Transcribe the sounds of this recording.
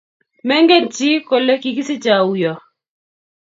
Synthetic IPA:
mɛ˦ŋɡe˦˨nt͡ʃi˦ko˨le˦ki˨ki˦sɪ˦t͡ʃa˨u˨jɔ˨

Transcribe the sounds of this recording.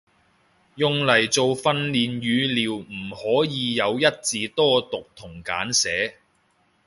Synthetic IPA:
jʊ˨˧ŋlɐ˨˩jt͡so˨˧wfɐ˧nliː˨njyː˨˧liː˨˩wm̩˨˩hɔː˨˥jiː˨˧jɐ˨˧wjɐ˥t̚t͡siː˨˧t̪ɔː˥t̪ʊ˨k̚t̪ʰʊ˨˩ŋka̰ː˨˥nsɛː˨˥

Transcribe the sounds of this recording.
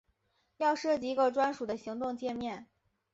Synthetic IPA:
jɑ˥˧ʊʂɤ˥˩t͡ɕi˧˥˧ɡə˥˧ʈ͡ʂwa˥nʂu˨˩d̪ə˦ɕi˧˥ŋt̪ʊ˥˧ŋt͡ɕjɛ˥˧mjɛ˥˩n

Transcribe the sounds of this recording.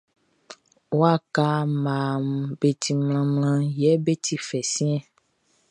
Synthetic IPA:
wo˦a˦ka˦mã˨m˨be˨t̪ʰi˨ml̃ã˨ml̃ã˧jɛ˦be˦t̪i˦fɛ˨sĩ˦ɛ̃˦

